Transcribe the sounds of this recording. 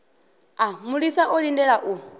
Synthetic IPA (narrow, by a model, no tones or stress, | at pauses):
amuɺisaʔɔɺindɛɺaʔu